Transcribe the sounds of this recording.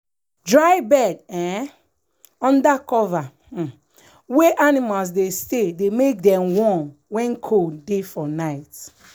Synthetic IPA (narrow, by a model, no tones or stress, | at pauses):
dɹaɪbɛdɛ̃ | ɔ̃ndakɔva | weʔanimals̬destedemek̚dɛ̃mwɔ̃nwɛ̃nkʰodefɔnaɪt